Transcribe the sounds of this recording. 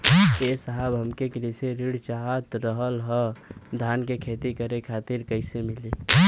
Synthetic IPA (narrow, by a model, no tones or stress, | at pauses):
esəɦəbɦəmkekɾiseɾiɽt͡ʃaɦət̪ɾəɦəlɦəd̪ʱankekʰet̪ikəɾekʰaːt̪iɾkəɪsemɪli